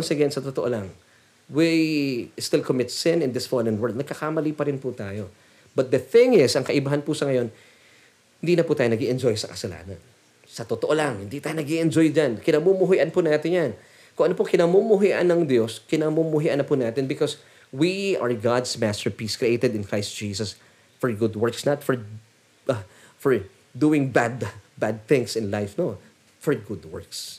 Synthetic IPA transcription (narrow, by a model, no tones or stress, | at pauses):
nsɛɡɛɐnsɐt̪ot̪oʔolɐŋ | wi | st̪ɪlkomɪt̪sɪ̃nɪ̃nd̪ɪsfɔd̪ɛnwɛ˞d̪̚nɐɡ̚kɐkamɐlipɐɾɪnput̪aːjo̞ | bɐt̪̚d̪ɐθɪ̃ŋɪsʔɐŋkɐʔɪbaɦanpusɐŋɐjo̞n | hɪnd̪iːnɐpuːt̪aːjonɐɡiʔɛnd͡ʒo̞jsɐkɐsɐla̰ːnɐ̰n | sɐt̪ot̪oʔolɐŋhɪnd̪it̪aːjonɐɡiʔɛnd͡ʒojd͡ʒankɪnɐmumʊɦʊjʔɐnpʊnaːt̪ɪnjan | kʊŋʔɐnopokɪnɐmumʊɦɪʔa̰nːɐŋd̪jo̞skɪnamumʊɦɪʔanːɐpunaːt̪ɪnbɪkɔs | wiaɹɡad̪smast̪ɛɹpiskɹiʔejt̪ɛd̪ɪ̃nkɹajst̪̚d͡ʒ̥iːsɐs | fɔɹɡʊd̪wɛɹksnɐt̪fɔɹ | fɔɹ | d̪uɪ̃ŋbad̪bad̪̚θɪ̃ŋsɪnlajfno | fɔɹɡʊd̪wɛ̰ɹks